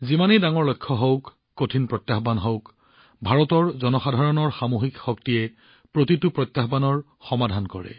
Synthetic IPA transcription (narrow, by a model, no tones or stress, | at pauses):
zimanidaŋɔɹlojkʰːɔɦowkː | otʰinpɹɔjt̪ːaxbanɦowk | bʱaɹɔtɔɹzɔnɔxadʱaɹɔnɔɹxamoxikxɔk̚tiɛ | pɹotitupɹɔjt̪ːjaxbanɔɹ | xɔmadʱankɔɹɛ̰